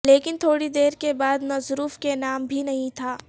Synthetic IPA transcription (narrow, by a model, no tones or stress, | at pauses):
leːkɪnt̪ʰoːɽid̪eːɾkebaːd̪mɐzɾuːfkenaːmbʱinɐɦĩt̪ʰaː